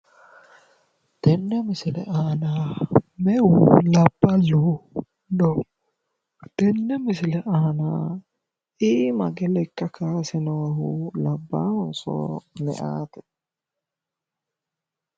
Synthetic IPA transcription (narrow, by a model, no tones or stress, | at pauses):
d̪̥ɛnːɛmɪsɪlɛ̰ʔɐnaːmɛulɐb̥ːɐlu | dɔ | d̪̥ɛnːɛmɪsɪlɛʔɐɐnaː | iːmɐɡɛlɛkːɐkaːsɛnɔwɐɦulɐbːa̰ːhʊnso̰ːmɛ̰ʔaːt̪ɛ̥